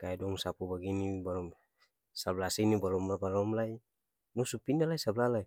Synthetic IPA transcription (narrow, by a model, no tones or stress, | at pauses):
kaɛdɔŋsapubaɡinibalɔm | sablasinibalɔmlabalɔmlai | nɔsupinalaisablalai